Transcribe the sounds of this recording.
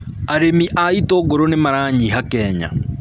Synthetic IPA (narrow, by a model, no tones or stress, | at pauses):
aɾemiʔaitoɣoɾonemaɾaːɲiɦakɛːɲa̰